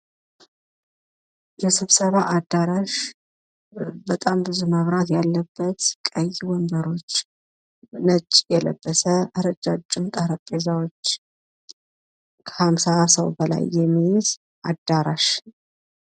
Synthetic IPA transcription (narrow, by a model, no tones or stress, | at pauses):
jɛsɨβsəβaʔad̪aɾaʃ | bət̪ʼambɨzuməβɾat̪jalːəbːət̪sɪkʼːəjːwɔnd̪əɾo̞t͡ʃː | nət͡ʃʼːjɛlə̰bːəsəɨɾəd͡ʒat͡ʃʼːumt̪ʼəhɾəkʼːezawot͡ʃː | kʰə̥hamsasəwbəla̰jːɛmːijz | ʔad̪ːaɾaʃ